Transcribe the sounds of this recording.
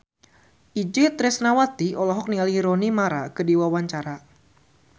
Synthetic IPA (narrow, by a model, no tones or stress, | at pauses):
ʔid͡ʒɪt̪ɾɪsnawat̪iɔlɔɦɔk̚nialiiɾɔnimaɾakədiwawaɲt͡ʃaɾa